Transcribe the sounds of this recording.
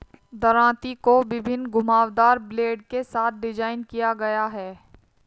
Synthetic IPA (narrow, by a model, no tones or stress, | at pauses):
d̪ɐɾãːt̪ikobɪbʱɪnɡʊmaːʋd̪aːɾbleːɖkesaːt̪̚ʰɖɪd͡ʒaːɪnkijaɡɐjaɦɛː